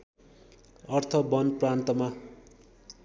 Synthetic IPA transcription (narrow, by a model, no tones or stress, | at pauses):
ʌrt̪ʰʌbʌnprant̪ʌma